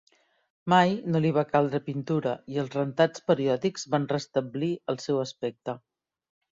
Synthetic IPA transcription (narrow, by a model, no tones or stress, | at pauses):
majnoliβ̞akalˠd̪ɾəpint̪uɾəiəlˠzrənt̪at͡spəɾiɔðikzβanrəst̪əbliəlˠsɛwəspɛk̚t̪ə